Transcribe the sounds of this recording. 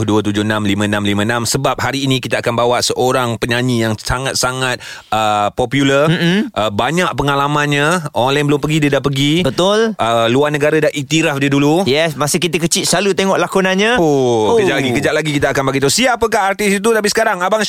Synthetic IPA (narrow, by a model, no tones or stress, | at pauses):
hduət̪ud͡ʒʊnamlimə̃nãmlimə̃namsəbap̚ɦaɾiːnĩkit̪aakanbawaʔsəʔoɾaŋpəɲaɲĩjaŋsaŋat̪̚saŋat̪̚ | əpɔpjulərm̩ʔəbaɲaʔ̚pəŋalamãnɲãonlainbəlʊmpəɡidədaʔpəɡibət̪ʊlʔəluarnəɡaɾadaʔit̪iɾafdiədulujɛsmasɪhkit̪əkət͡ʃiʔ̪səlalut̪eŋɔʔlakunanɲaoəd͡ʒaʔlaɡikəd͡ʒaʔlaɡikit̪aakanbaɡit̪usiaapəkaɦart̪isit̪ut̪ap̬isə̥kaɾaŋabaŋ